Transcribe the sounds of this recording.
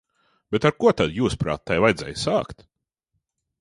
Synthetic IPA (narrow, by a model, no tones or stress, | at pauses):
b̥ɛt̪aɾkuɔt̪ad̪juːspɾa̰ːt̪ːajvajd̪zɛ̰jsaːkt̪